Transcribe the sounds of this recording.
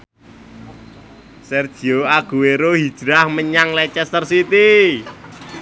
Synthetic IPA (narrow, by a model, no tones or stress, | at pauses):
sɛrd̥ʒ̥i̤oaɡ̥ṳweɾoɦid̥ʒ̥ɾahməɲaŋlɛt͡ʃɛst̪ərsit̪i